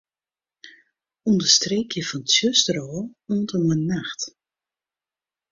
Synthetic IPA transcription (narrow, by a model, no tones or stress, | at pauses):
undəstreːkʰjəfɔntsjøstəɾɔːoːntənənːaxt